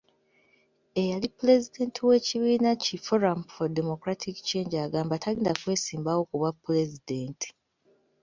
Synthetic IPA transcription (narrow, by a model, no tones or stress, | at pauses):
e̞jalipːule̞zide̞ːntʰiwe̞ːciβiːnacifoɾamfodemo̞kɾatʰikt͡ʃe̞ːɲd͡ʒaɡaːmbatʰaliːndakwe̞ːsiːmbawo̞kuβapːule̞zideːnti̥